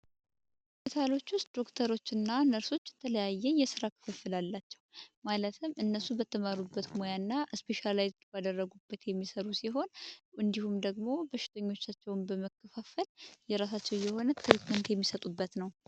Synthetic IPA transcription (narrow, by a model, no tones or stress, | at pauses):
pit̪ʰalo̞t͡ʃːwʊst̪̚d̪o̞kt̪ʰəɾo̞t͡ʃːɨnːanəɾso̞t͡ʃːt̪ʰələjajːɛjɛsɨɾakʰɨ̥fɨfːɨlalːat͡ʃːɛwmalət̪ʰɨmʔɨnːəsubət̪ʰːəmaɾubːət̪mo̞janːaʔəspʰe̞ʃalajzbad̪ərːəɡubːət̪jɛmːisəɾusiɦo̞nʔɨnd̪ihumd̪əɡmo̞bəʃːɪ̥t̪ʰəɲːo̞t͡ʃːat͡ʃːɛwnbəməkʰːəfafəljɛɾasat͡ʃːɛwjɛho̞nət̪ʰːɨɾikmənt̪jɛmːisət̪ʼubːət̪nəw